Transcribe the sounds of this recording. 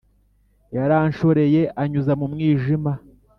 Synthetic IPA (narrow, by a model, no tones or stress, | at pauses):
jaɾaːnʃo̞ɾe̞je̞ʔaɲuzamumŋiːʒima